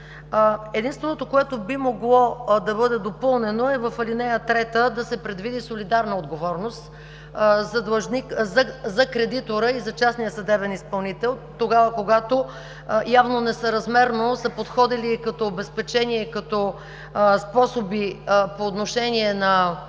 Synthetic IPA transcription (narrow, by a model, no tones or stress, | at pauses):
ɛd̪inst̪vɛnot̪okoɛt̪obimoɡlˠɔd̪ɐbɤd̪ɛd̪opɤlˠnɛnoɛvɐfɐlinɛjət̪ɾɛt̪əd̪ɐsɛpɾɛd̪vid̪isolid̪aɾnəod̪ɡovɔɾnost̪ | zɐd̪lˠɐʒnikzɐzɐkɾɛd̪it̪oɾəizɐt͡ʃasnijəsɐd̪ɛbɛnispɐlˠnit̪ɛlˠt̪oɡavəkoɡat̪o | javnonɛsɐɾɐzmɛɾnosɐpot̪xɔd̪iliːkɐt̪ɔːbɛspɛt͡ʃɛniɛkɐt̪ɔ | spɔsobipoːt̪noʃɛniɛnɐ